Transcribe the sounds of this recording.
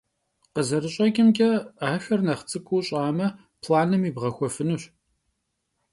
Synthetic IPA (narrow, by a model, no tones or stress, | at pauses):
qəzɐɾɨɕʼɐkʲʼɪmkʲʼɐaːxɐrnɐχt͡sʼɨkʰʷʼuːɕʼaːmɐ | pʰlaːnɨmiːbʁɐxʷɔfɨnuɕ